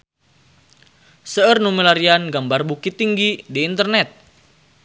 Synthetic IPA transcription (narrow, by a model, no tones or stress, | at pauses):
səərnuməlaɾianɡambarbukit̪ːiŋɡidiːnt̪ərnɛt̪̚